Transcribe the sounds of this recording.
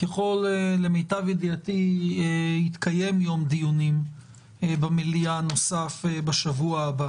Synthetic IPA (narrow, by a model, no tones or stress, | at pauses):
keχo̞lele̞mejtavjid̪iat̪iehit̪kaje̞mjo̞md̪ijunim | bamilijano̞safebaʃavuaːba